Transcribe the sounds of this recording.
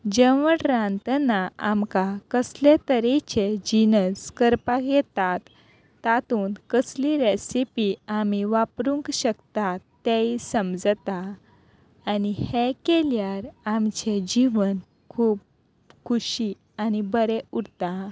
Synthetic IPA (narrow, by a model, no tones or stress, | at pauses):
d͡ʑeʋəɽɾãnt̪naamkakəslet̪əɾɛt͡ɕed͡ʑinəskəɾpaɡɛt̪at̪ː | at̪uːnkəsliɾesipiamiʋapɾuŋkɕəkt̪at̪ːeisəmd͡zt̪aː | nihekeljaɾamt͡ɕed͡ʑiʋən | kʰuːp̚ | kʰuɕi | anibəɾeuɽt̪a